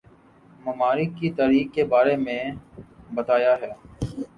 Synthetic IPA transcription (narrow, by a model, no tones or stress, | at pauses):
mɐmaːɾɪkːit̪aːɾiːkkːebaːɾemẽ | bɐt̪aːjaɦɛː